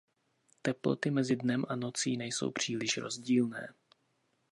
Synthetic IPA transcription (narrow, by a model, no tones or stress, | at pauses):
t̪ɛplo̞̰t̪ɪmɛzɪdnɛmʔano̞t͡siːnɛjso̞̰wpr̝̥iːlɪʃɾo̞̰zɟiːlnɛ̰ː